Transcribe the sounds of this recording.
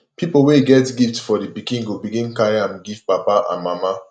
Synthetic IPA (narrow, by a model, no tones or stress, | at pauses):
pipoweɡɛtɡiftfɔdibikĩŋɡobiɡĩnkajãmɡiv̥papaʔã̰nmama